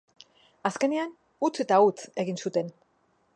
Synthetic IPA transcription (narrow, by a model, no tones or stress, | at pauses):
aske̞nean | ut͡se̞t̪aut͡se̞ɣinsut̪e̞n